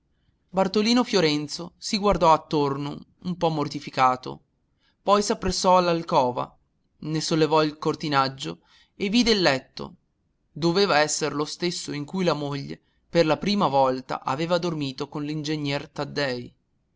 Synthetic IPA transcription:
bart̪oliːnofjoɾɛnt̪sosiɡward̪ɔat̪ːorno | umpɔmːort̪ifikaːt̪o̰ | pɔjsapːɾesːɔalːalkɔːva̰ | nesolːevɔilkort̪inad͡ʒːo | evːid̪elːɛt̪ːo̰ | d̪oveːvaɛsːerlost̪esːoiŋkujlamoʎːḛ | perlapɾiːmavɔlt̪a̰ʔaveːvad̪ormiːt̪okonlind͡ʒeɲːɛrt̪ad̪ːɛj

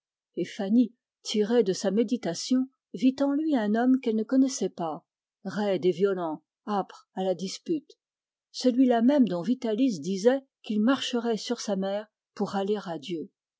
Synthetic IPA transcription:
efani | t̪ʰiʁed̪əsamed̪it̪asjɔ̃ | vit̪ɑ̃lɥiɛ̃nɔmkɛlnəkɔnɛsɛpa | ʁɛd̪evjɔlɑ̃ | apχ | alad̪ispyt̪ | səlɥilamɛmd̪ɔ̃vit̪alis̬d̪izɛ | kilmaʁʃəʁɛsyʁsamɛːʁ | puʁaleʁad̪jø

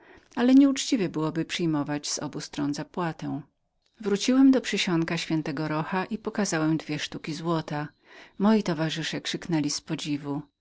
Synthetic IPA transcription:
alɛɲɛut͡ʂt͡ɕivɛbɘwɔbɘpʂɘjmɔvad͡ʑz̥ɔ̰bust̪ɾɔnzapwat̪ɛ̃w̃ | vɾut͡ɕiwɛmd̪ɔpʂɘɕɔŋkaɕfʲjɛnt̪ɛɡɔɾɔxaʔipɔkazawɛmd̪vʲjɛʂt̪ukʲizwɔt̪a | mɔjit̪ɔvaʐɘʂɛkʂɘknɛlʲispɔd͡ʑivu

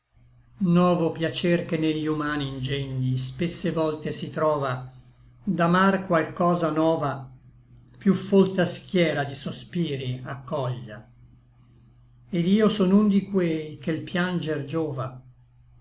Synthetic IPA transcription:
nɔːvopjat͡ʃerkenːeʎːiumaːniːnd͡ʒɛnd̪ispesːevɔlt̪esit̪ɾɔːva | d̪amarkwalkɔːzanɔːva | pjufːolt̪askjɛːɾad̪isospiːɾiakːɔʎːa̰ | ed̪iːosɔnund̪ikwejkelpjand͡ʒerd͡ʒɔːva

